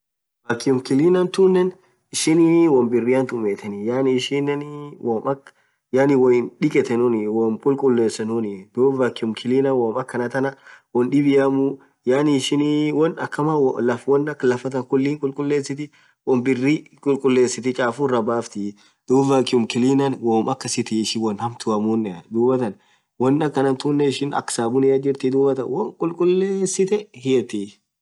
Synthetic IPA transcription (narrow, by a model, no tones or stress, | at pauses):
ɐkːɪʊmkɪliːnɐnt̪uːnːɛn | ɪʃɪnɪwɔmbɪrːiɐnt̪ʊmeːt̪ɛnɪjaːnːʃɪnːɛnwɔmɐk | jaːnɪwɔjɪnᶑɪkʼɛt̪ɛnʊnɪwɔnkʼʊlkʼʊlːeːsːɛnʊnɪd̪uːvɐkːɪʊmkʰɪliːnɐwɐmɐkːɐnɐt̪ɐnɐwɔnᶑɪbɪjamu | jaːnɪːʃɪnwɔnɐkːɐmalɐfwɔnːɐkːlɐfɐt̪ɐnkʊlːiːŋkʼʊlkʼʊlːeːsːɪt̪ɪ | wɔnbɪrːiː | kʼʊlkʼʊlːeːsɪt̪ɪt͡ʃʼaːfurɐbaːft̪ɪ | d̪̥uːvakɪʊmkɪliːnɐnwoːmʔɐkːɐsɪt̪ɪːʃɪwɔnhɐmt̪ʊɐmuːnːɛd̪uːbɐt̪ɐn | wɔnːɐkːɐnɐmt̪uːnːɛɪʃɪnɐ̰kːsaːbʊnɪɐd͡ʒɪɾt̪ɪd̪uːbɐt̪ɐ̰nwɔŋkʼʊlkʼʊlːeːsɪt̪ɛhɪɛt̪i